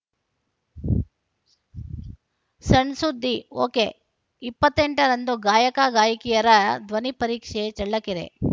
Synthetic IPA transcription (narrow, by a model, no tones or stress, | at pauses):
sɐɳsud̪ʱːioːke | ipːɐt̪ːeɳʈɐɾɐnd̪uɡaːjɐkaɡaːjɐkijɐɾɐd̪ʋɐnipɐɾiːkʂet͡ʃɐɭːɐkːiɾḛ